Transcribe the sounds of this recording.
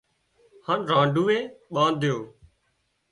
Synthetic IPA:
haːnɾãːɳɖuːeːɓãːnd̪ɪjoː

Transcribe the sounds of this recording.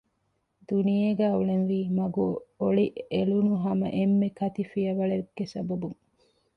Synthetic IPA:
d̪unijeɡæːuɭenʋiːmɐɡuoɭiʔelunuɦɐmɐ̰ʔemːekɐt̪ifijɐʋɐɭeɾɡ̥ːesɐbɐbuŋ

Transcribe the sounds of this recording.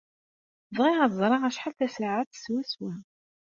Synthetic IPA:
zʁiʁazˤɾˤɑʁæʃħalθæsaʕat̪swæswæ

